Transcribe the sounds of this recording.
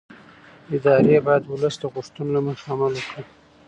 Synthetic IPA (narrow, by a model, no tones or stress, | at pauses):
ɪd̪ɑɾebɑjad̪wʊləsd̪əɣʊʂt̪unolaməxamalwəkɽi